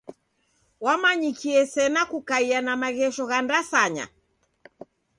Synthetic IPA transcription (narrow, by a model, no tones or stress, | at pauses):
wamaɲikiɛsɛnakukaianamaɣɛʃɔɣandasaɲa̰